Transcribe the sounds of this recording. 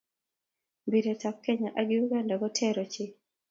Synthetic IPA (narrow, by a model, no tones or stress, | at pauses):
biɾetap̚kɛɲaʔaɡɪuɡandaɡɔtʰɛɾot͡ʃɪ